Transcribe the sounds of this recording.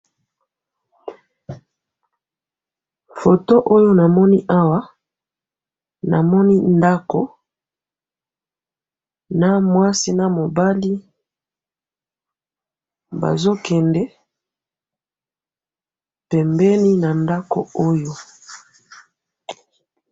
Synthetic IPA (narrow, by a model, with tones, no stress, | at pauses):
fo˨to˦ʔo˦jo˦na˨mɔ˦ni˦ʔa˦wa˦ | na̰˨mɔ˦ni˦nda˦ko˨ | na˦mwa˦si˦na˦mo˨ba˦li˦ | ba̰˨zo˦kɛ˨ndɛ˦ | pɛ˨mbɛ˦ni˦na˨nda˦ko̰˨o˦jo˦